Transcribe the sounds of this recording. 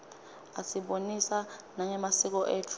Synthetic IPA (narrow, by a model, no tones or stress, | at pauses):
asiɓonisanaŋɛmasik̬ɔʔeːtʰu